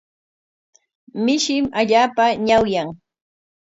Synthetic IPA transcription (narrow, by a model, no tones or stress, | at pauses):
mɪʃɪmaʎaːpaɲawjaŋ